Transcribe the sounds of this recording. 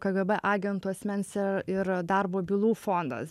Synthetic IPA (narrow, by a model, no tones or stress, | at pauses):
kɐɡɐbɛʔɑːɡʲɛnt̪uɐsʲmʲɛnʲsʲɪɪɾd̪ɐrboːbʲɪlˠuːfoːnd̪ɐ̰s